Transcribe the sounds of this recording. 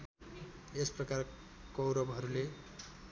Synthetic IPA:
esprʌkar | kʌwɾʌbɦʌɾule

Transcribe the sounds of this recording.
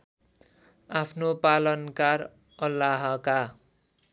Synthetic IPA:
apʰnopalʌnkar | ʌlːaɦʌka

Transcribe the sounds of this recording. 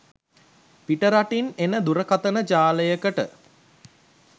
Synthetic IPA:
piʈəɾaʈinenəd̪uɾəkat̪ənəd͡ʒaːləjəkəʈə

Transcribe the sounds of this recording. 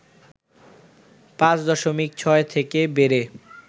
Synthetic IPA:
pãt͡ɕd̪ɔʃomik̚t͡ɕʰɔet̪ʰekebeɾe

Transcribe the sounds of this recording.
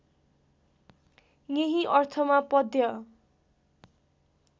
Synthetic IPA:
jeɦĩʔʌrt̪ʰʌmapʌd̪jʌ

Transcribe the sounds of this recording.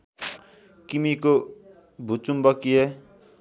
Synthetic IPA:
kimiko | bʱut͡sumbʌkie

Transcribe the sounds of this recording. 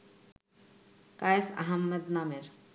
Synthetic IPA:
kajsa̰ɦɐmːɐd̪nameɾ

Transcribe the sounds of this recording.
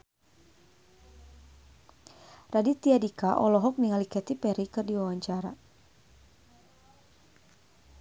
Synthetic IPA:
radit̪iadikaʔɔlɔɦɔk̚niŋalikɛt̪ipɛɾikɨrdiwawaɲt͡ʃaɾa

